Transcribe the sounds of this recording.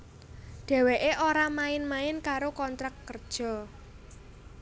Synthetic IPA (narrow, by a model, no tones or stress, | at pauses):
ɖ̥ɛ̤weʔeʔoɾamaɪnmaɪnkaɾokɔnt̪ɾakːərd̥ʒ̥ɔ̤